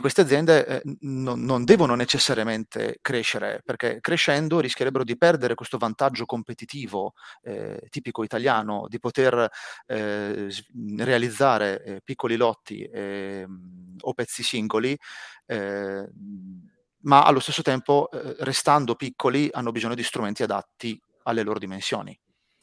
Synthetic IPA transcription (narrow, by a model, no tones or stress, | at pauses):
kwest̪ead̪zjɛnd̪eʔnoːond̪ɛːvononet͡ʃesːaɾjament̪ḛkɾeʃːeɾḛperk̟ḛkːɾeʃːɛnd̪oɾisk̟jeɾɛbːeɾod̪ipɛrd̪eɾekwest̪ovant̪ad͡ʒːokompet̪it̪iːvoɛ̰t̪iːpikoit̪aljaːno̰d̪ipot̪er | zrealid̪zːaːɾepikːolilɔt̪ːḭ | opːɛt̪sːisiŋɡoli | maa̰lːost̪esːot̪ɛmporest̪and̪opikːolianːobizoɲːod̪ist̪ɾument̪iad̪a̰t̪ːi | alːeloːɾod̪imensjo̰ːnḭ